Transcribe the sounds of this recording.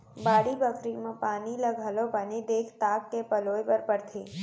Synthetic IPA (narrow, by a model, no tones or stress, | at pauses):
baːɽibəkɾimãpaːniləɡʱalopanid̪eːkʰt̪aːkːepəloːjpəɾpəɽt̪ʰeː